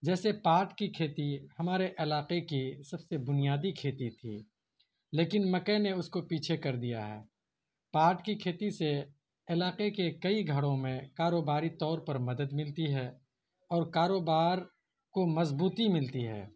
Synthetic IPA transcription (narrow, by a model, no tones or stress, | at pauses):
d͡ʒɛːsepaːɾʈkikʰeːt̪ihɐmaːɾeʔɪlaːqekisɐbsebʊnijaːd̪ikʰeːt̪it̪ʰḭː | leːkɪnmɐkeneʊskopiːt͡ʃʰekɐɾd̪ija̰ɦɛ̰ː | paːɾʈkikʰeːt̪ise | ɪlaːqekekɐiɡʱɐɽõmẽkaːɾoːbaːɾit̪ɔːɾpɐɾmɐd̪əd̪mɪlt̪iɦɛ | ɔːɾkaːɾoːbaːɾ | komɐzbuːt̪imɪlt̪iɦɛ̰ː